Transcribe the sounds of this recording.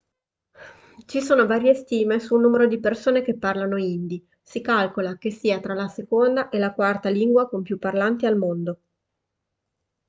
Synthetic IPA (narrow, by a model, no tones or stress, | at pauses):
t͡ʃisoːnovaːɾjest̪iːmesuːnːuːmeɾod̪ipersoːnekepːarlanoind̪i | sikalkolakesːiːat̪ɾalasekond̪aʔelakwart̪aliŋɡwakompjupːarlant̪ialmond̪o